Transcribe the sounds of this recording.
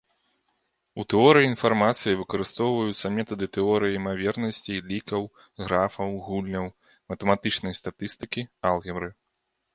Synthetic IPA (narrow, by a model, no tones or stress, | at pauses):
ut̪ɛɔɾɨjiinfarmat̪sɨjivɨkɐɾɨst̪ɔwvɐjut̪sːɐmʲɛt̪ɐd̪ɨt̪ɛɔɾɨjɐimavʲɛrnɐsʲt͡sʲilʲikɐw | ɣɾafɐwɣulʲnʲɐw | mɐt̪ɐmat̪ɨt͡ʂnɐjst̪at̪ɨst̪ɨkʲialˠɣʲɛbɾɨ